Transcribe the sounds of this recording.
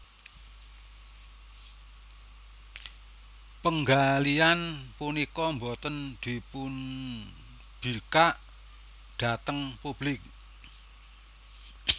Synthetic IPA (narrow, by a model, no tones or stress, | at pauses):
pəŋɡalianpunikɔmbot̪ənd̪̥i̤pun | b̥i̤kaʔ | ɖ̥a̤t̪əŋpub̥lɪk̚